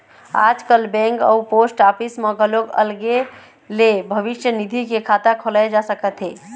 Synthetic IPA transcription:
a̰d͡ʒkəlbɛ̃ŋkə̰uposʈapismeɡəloɡə̰lɡe | lebʱəʋiʃjənid̪ʱikekʰat̪akʰolaed͡ʒasəkət̪ɦe

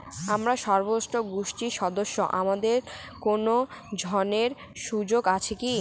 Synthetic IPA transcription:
amɾaʃɔɾbosoɡuʃʈiʃɔd̪oʃːo̰ʔamad̪eɾkonod͡ʑʱɔneɾ | ʃud͡ʑoɡat͡ɕʰiki

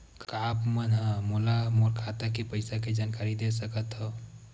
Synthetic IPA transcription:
kkapmənɦə̃molamoɾkʰat̪akepəɪsaked͡ʒankaɾid̪esəkət̪ɦo

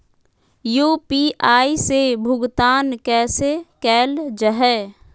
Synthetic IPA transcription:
juːpiaːisebʱʊɡt̪aːnkɛːsekɛːld͡ʒəɦɛː

